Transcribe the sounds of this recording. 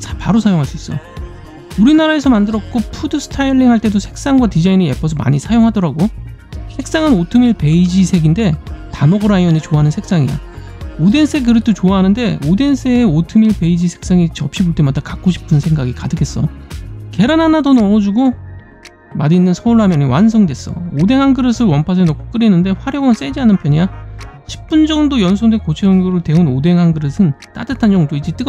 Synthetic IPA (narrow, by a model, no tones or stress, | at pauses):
spaɾosʰajoŋɦaɭs͈uis͈ʌ̰ | uɾinaɾae̞sʰʌmandɯɾʌk̚k͈opʰudɯsʰɯ̥tʰaiɭːiŋɦaɭt͈e̞dosʰe̞k̚s͈aŋɡwatid͡ʑainee̞pʰʌs̬ʰʌma̰ɲisʰajoŋɦadʌɾaɡo | sʰe̞k̚s͈aŋɯnotʰɯmiɭpe̞id͡ʑisʰe̞ɡinde̞tamʌɡɯɾaiʌnet͡ɕoaɦanɯnsʰe̞ks͈aŋija̰ | ode̞ns͈ʰekɯɾet͈ʰot͡ɕoaɦanɯnde̞ode̞nsʰeːotʰɯmiɭpe̞id͡ʑisʰe̞̥k̚s͈aŋit͡ɕʌp̚ɕ͈iboɭt͈e̞madakak͈oɕʰi̥pʰɯnsʰe̞ŋɡaɡikadɯkʰe̞s͈ʌ̰ke̞ɾanɦanadonʌʌd͡ʑuɡo | madinːɯnsʰʌuɭɦamjʌniwansʰʌŋdwe̞s͈ʌ̰ode̞ŋɦanɡɯɾɯsʰɯɭwʌnpʰas̬ʰenʌkʰo̥k͈ɯɾinːɯnde̞ɸwaɾjʌɡʌns͈e̞d͡ʑiɦanɯnpʰjʌɲaɕʰi̥p̚p͈und͡ʑʌŋdojʌnsʰoŋdekot͡ɕʰeɯnɡoɾɯɭte̞unode̞ŋɦanɡɯɾɯsʰɯnt͈a̰dɯtʰand͡ʑʌŋdoid͡ʑet͈ɯɡ